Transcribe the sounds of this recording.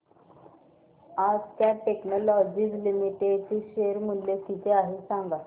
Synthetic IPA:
ad͡zt̪jaʈeknɔlɔd͡ʑiːd͡zlimiʈeɖt͡ɕiːɕeɾmulːek̪it̪ʰeaɦesãŋɡa

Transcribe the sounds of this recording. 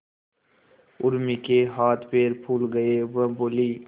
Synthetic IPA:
ʊɾmikeɦaːt̪ʰpeːɾpʰuːlɡəeʋə̃boːliː

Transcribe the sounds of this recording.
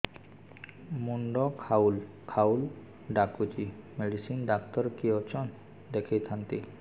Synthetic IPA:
muɳɖɔkʰaul | kʰawl | ɖakud͡ʒimeɖisinɖakt̪ɔɾkiot͡ʃʰɔn | d̪ekʰejt̪ʰant̪i

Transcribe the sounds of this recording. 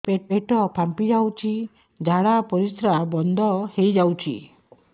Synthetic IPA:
pepeʈɔpʰampid͡ʒawt͡ʃʰi | d͡ʒʱaɽapɔɾisɾabɔnd̪ʱɔhejd͡ʒawt͡ʃʰḭ

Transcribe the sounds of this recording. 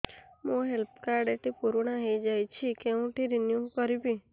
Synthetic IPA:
mũɦelp̚kaɾɖeʈipuɾɽaɦejd͡ʒajt͡ʃʰikeũʈiɾinjukɔɾibi

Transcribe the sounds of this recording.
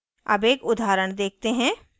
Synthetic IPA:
ɐ̰beːkʊd̪ʱaːɾəɽ̃d̪eːk̚t̪eɦɛ̃ː

